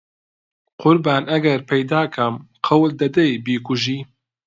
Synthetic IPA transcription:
qʊɾbaːnʔɐɡɐɾpʰɛjd̪aːkʰɐmqʰɐwld̪ɐd̪ɐjbiːkʊʒiː

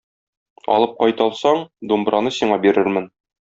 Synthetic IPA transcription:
ɒ̰lˠɤp̚qɒjt̪ɒlˠsɑɴd̪umbɾɑnɤsiɴɑbiɾɘɾmɘn

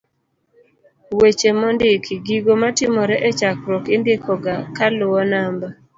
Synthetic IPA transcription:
wet͡ʃemɔndɪkɡiɡomatɪmɔɾɛʔɛt͡ʃakɾɔkɪndɪkʰɔɡakalʊwɔnamba

